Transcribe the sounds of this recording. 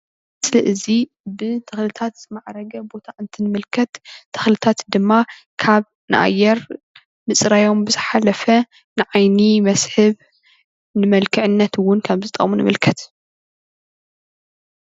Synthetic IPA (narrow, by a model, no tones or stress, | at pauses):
ɨsliʔɨzi | bɨt̪ʰɐxlɨt̪ʰat̪maʕɾɐɡɐbo̞t̪ʰaʔɨnt̪ʰinɨmɨlkʰɐt̪t̪ʰːɨ̥xlɨt̪ʰat̪d̪ɨmːa | kʰaβ | nɨʔa̰jːɛɾ | mɨsʼɾajo̞mbɨzɨħalɐfɐ | nɨʕajnimɐsħɨβ | nɨmɐlkʰɨʕɨnːɐt̪wʊnkʰaβzɨt̪ʼɐʔʼmunɨmɨlkʰɐt̪